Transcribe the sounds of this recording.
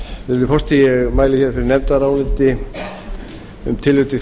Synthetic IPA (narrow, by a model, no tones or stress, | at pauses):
ɪɪlɪfɔst̪ijɛɣmaːjlɪçɛɾfɪɾɪɾnɛmt̪aɾaːwlɪnt̪ɪ | ʏ̰mt̪ʰɪlːʏt̪ɪ